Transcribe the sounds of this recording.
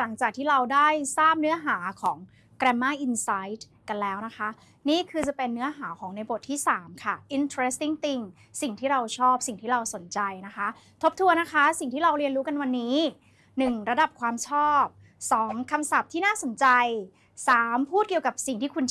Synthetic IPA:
la˩˦ŋt͡ɕaː˨˩k̚t̪ʰiː˥˩ɾa˧wdaː˥˩jsaː˥˩p̚nɯ˦˥ɐɦaː˩˦kʰɔː˩˦ŋ | kɾɛː˧mːaː˥˩ʔi˧nsa˦˥jt̪̚ | ka˧nlɛː˦˥wna˦˥kʰa˦˥ | niː˥˩kʰɯː˧t͡ɕa˨˩pe˧nːɯ˦˥ɐɦaː˩˦kʰɔː˩˦ŋna˧jbo˨˩t̪ʰːiː˥˩saː˩˦mkʰa˥˩ʔi˧nt̪ʰɾe˦˥st̪i˥˩ŋt̪i˧ŋ | si˨˩ŋt̪ʰiː˥˩ɾa˧wt͡ɕʰɔː˥˩p̚si˨˩ŋt̪ʰiː˥˩ɾa˧wso˨˩˦nt͡ɕa˧jna˦˥kʰa˦˥ | t̪ʰo˦˥p̚t̪ʰu˧əna˦˥kʰa˦˥si˨˩ŋt̪ʰiː˥˩ɾa˧wɾi˧ənɾuː˦˥ka˧nwa˧nːiː˦˥ | nɯ˨˩ŋɾa˧da˨˩p̚kʰwaː˧mt͡ɕʰɔː˥˩p̚ | sɔː˩˦ŋkʰa˧msa˨˩p̚t̪ʰiː˥naː˥˩so˨˩˦nt͡ɕa˧j | saː˨˩˦mpʰuː˥˩t̪̚ki˩əwka˨˩p̚si˨˩ŋt̪ʰiː˥˩kʰu˧n

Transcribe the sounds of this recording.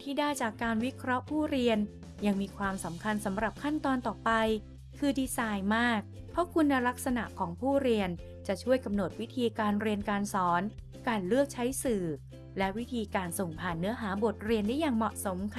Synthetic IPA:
t̪ʰiː˥˩daː˥˩jt͡ɕaː˨˩kːaː˧nwi˦˥kʰɾɔ˦˥ʔpʰuː˥˩ɾi˧ən | ja˧ŋmiː˧kʰwaː˧msa˩˦mkʰa˧nsa˩˦mɾa˨˩p̚kʰa˥˩nt̪ɔː˧nt̪ɔː˨˩pa˧j | kʰɯː˧diː˧saː˧jmaː˥˩k̚pʰɾɔ˦˥kʰu˧nːa˧la˦˥k̚sa˧na̰˨˩ʔkʰɔː˩˦ŋpʰuː˥˩ɾi˧ən | t͡ɕa˨˩ʔt͡ɕʰu˥˩əjka˧mno˨˩t̪̚wi˦˥t̪ʰiː˧kaː˧nɾi˧ənkaː˧nsɔː˩˦n | kaː˧nlɯ˥˩ək̚t͡ɕʰa˦˥jsɯː˨˩ | lɛ˦˥ʔwi˦˥t̪ʰiː˧kaː˧nso˨˩ŋpʰaː˨˩nːɯ˦˥ɐɦaː˩˦bo˨˩t̪̚ɾi˧əndaː˥˩jaː˨˩ŋmɔ˨˩ʔso˩˦mk

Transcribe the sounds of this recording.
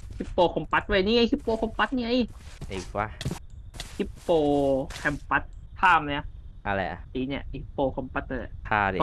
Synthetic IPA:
kʰi˦˥pːoː˧kʰɔ˧mpa˦˥t̪̚wa˧˩˨niː˧˨ʔa˧˦˧kʰi˦˥pːoː˧kʰɔ˧mpa˧˦˥t̪̚ni˧ʔa˧jiː˨˩k̚wa˧ | hʰi˦˥pːoː˧kʰɛ˧˩mpa˦˥t̪̚pʰaː˥˩mna˧˩ʔa˧lɛ̰˧˩ʔi˧˦ni˧˩˨hʰi˦˥pːoː˧kʰɔ˧mpa˦t̪̚a̰˧˩˧kʰaː˧˩˧

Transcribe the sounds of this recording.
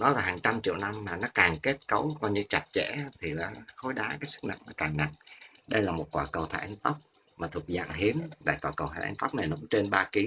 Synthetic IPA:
ɗɔ˨˦laː˨˩ɦaː˨˩ŋt͡ɕa˧mt͡ɕḭ˧˨əwna˧mːaː˨˩nɔ˨˦kaː˨˩ŋke˦˥t̚kə˨˦wkɔ˧jɲɨ˧t͡ɕa˨˩t̚t͡ɕḛ˧˥˨t̪ʰi˨˩laː˨˩xo˨˦jɗaː˨˦kaː˨˦jsɨ˦˥k̚na̰˧˨ŋnɔ˨˦kaː˨˩ŋna˨˩ŋ | ɗə˧jlaː˨˩mo˨˩t̚kwaː˨˩kə˨˩wt̪ʰa̰˧˩ʔɛ˧nt̪ə˦˥wk͡p̚ | maː˨˩u˨˩k̚za̰ː˧˨ŋɦi˨˦əmɗa̰ː˧˨jt̪aː˨˩kə˨˩wt̪ʰa̰˧˩ʔnt̪ə˦˥wk͡p̚na˨˩jnɔ˨˦kʊ̰˧˥ŋ͡mt͡ɕe˧nɓaː˧ki˨˦

